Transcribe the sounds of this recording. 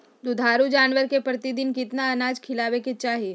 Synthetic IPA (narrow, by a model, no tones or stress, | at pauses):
d̪ʊd̪ʱaːɾud͡ʒaːnʋəɾkepɾɐt̪ɪd̪ɪnkɪt̪naɐnaːd͡ʒkʰɪlaːʋeket͡ʃaːɦie